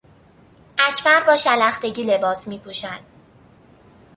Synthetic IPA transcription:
ʔæcʰbæɾbɒːʃælæxt̪e̞ɟiːle̞bɒːsmiːpʰuːʃænd̪̥

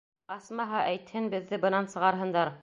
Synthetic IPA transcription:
ɑsmɑɦɑʔæjt̪hɘnbɘ̆ðːɘbɤ̆nɑnsɤ̆ʁɑɾɦɤ̆nd̪ɑɾ

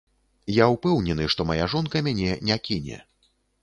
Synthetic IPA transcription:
jawpɛwnʲɛnɨʂt̪ɔmajaʐɔnkɐmʲanʲɛnʲɛkʲinʲɛ̰

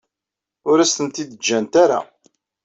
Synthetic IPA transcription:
ʊɾæst̪ənt̪id̪əd͡ʒːænt̪aɾa̰

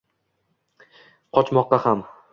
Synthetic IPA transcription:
qʰɒt͡ʃmɒqːɑham

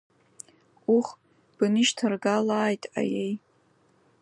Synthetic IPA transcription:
uχ | b̥ɨnɨʃtʰarɡalaːjtʼa̰jej

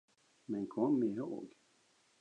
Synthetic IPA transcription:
mɛnkʰɔmːɪɦø̰ːɡ

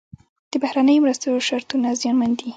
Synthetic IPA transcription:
d̪̥əbahɾanəjomɾast̪ooʃaɾt̪unazjɑnmand̪i

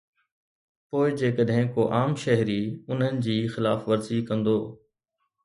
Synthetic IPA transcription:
poːɪd͡ʑeːkəɗɦɪ̃koːʔaːmʃɛɦɾiːʊnɦənɪ̆d͡ʑiːxɪlaːfʋəɾziːkɐ̃nd̪oː

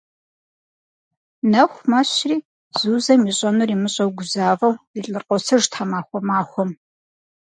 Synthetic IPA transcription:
nɐxʷmɐɕriː | z̥uːzɐmiːɕʼɐnuriːmɨɕʼɐwɡʷʊzaːvɐwiːɬʼɨrqʷʼɔsʰɐʒtʰamaːxʷɔmaːxʷɔm

